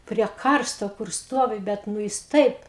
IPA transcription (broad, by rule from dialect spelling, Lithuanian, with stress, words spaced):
pʲrʲiɛ ˈkɐrstoː kʊr ˈstoːʋʲɪ ˈbʲɛt nʊ ˈjɪs ˈtɐɪp